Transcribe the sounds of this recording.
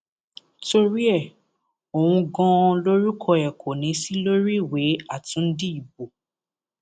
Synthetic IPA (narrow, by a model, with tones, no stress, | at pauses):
to˦˧ɾi˦ɛ˦˨ | o˨w̃ũ˧ɡɔ̃˧lo˦ɾi˦kʰɔ˧ɛ˨kʰo˨nĩ˨˦si˦lo˦ɾi˦˨we˨˦a˦˨tũ˨˦n̩˦di˦i˦˨bo˨